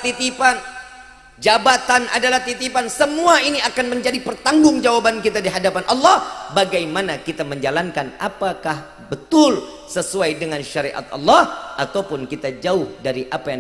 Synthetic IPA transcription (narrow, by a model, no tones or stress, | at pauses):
t̪it̪ipan | d͡ʒabat̪ana̰dalaht̪it̪ipansəmuainiakanməɲd͡ʒadipərt̪aŋɡʊŋd͡ʒawabankit̪adiɦadapanʔɑlːɑhbaɡajmanakit̪aməɲd͡ʒalankanapakah | bət̪ʊl | səsuajdəŋanʃaɾiʔa̰t̪̚ɑ̰lːɑhʔat̪awpʊnkit̪ad͡ʒaʊhdaɾiʔapaja